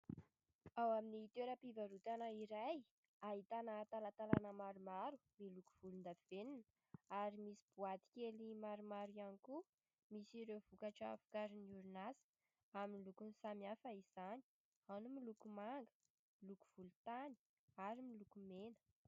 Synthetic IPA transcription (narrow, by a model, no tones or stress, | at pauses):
awaminiːt̪eɾəpivaɾut̪anəiɾaj | aɦit̪anət̪alat̪alanəmaɾumaɾu̥miluku̥v̥ulund̪aveninə̥ | aɾimisi̥b̥uat̪i̥kʲelimaɾumaɾianiku | misiɾev̥ukaʈ͡ʂəa̰fu̥kaɾiniuɾunasə̥ | aminilukunisamiafəiz̥ani̥ | anumilukumaŋɡə̥ | miluku̥v̥ulut̪ani̥ | aɾimilukumenə̥